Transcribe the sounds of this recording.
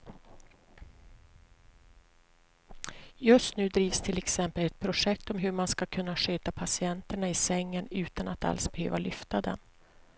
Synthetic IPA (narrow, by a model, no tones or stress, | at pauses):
jɵst̪nʉ̟ːd̪ɾiːvst̪ʰɪlɛksɛmpəlɛt̪̚pʰɾʊʂɛk̚t̪ɔmɦɵɾmanskakʰɵnːaʂøːt̪apʰasɪɛnt̪əɳaɪsɛŋːənʉ̟ːt̪anat̪a̰lsbɛhø̰ːvalʏft̪ad̪ɛ̰n